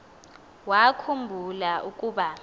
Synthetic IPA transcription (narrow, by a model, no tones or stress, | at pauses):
wakʰumbʱulaʔukʼuːɓa